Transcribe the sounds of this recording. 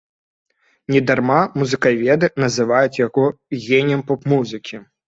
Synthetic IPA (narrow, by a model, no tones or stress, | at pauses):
nʲɛd̪armamuzɨkavʲɛd̪ɨnɐzɨvajut͡sʲjaɣɔɣʲenʲɛmpɔpmuzɨkʲi